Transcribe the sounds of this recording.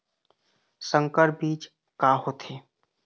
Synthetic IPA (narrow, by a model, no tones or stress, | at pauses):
sə̃ŋkəɾbiːt͡ʃ | kaːɦoːt̪ʰeː